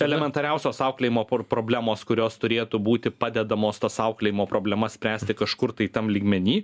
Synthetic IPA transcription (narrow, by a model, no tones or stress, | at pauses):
ɛlʲɛmʲɛnt̪ɐɾʲɛʊsʲoːsɑˑʊklʲɛjimoːppɾoːbʲlʲæːmoːskʊɾʲoːst̪ʊɾʲeːt̪ʊbuːt̪ʲɪpɑːd̪ʲɛd̪ɐmoːst̪ɐsɑʊklʲɛjɪmoːpɾoːbʲlʲɛmɐssʲpʲɾʲæːsʲt̪ʲɪkɐʃkʊɾt̪ɐɪt̪ɐmlʲiːɡmʲɛnʲiː